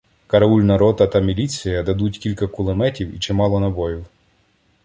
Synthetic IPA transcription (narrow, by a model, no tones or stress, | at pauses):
kɐɾɐulʲnɐɾɔt̪ɐt̪ɐmʲilʲit͡sʲijɐd̪ɐd̪utʲkʲilʲkɐkʊlˠemɛtʲiwḭt͡ʃɪmɑlˠɔnɐbɔjiw